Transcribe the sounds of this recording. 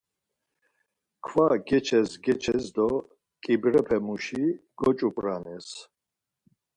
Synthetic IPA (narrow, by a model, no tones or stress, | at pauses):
kʰvaɡɛt͡ʃʰɛsɡɛt͡ʃʰɛsd̪ɔ | kʼibɾɛpʰɛmuʃiɡ̥ɔt͡ʃʼupʼɾanɛs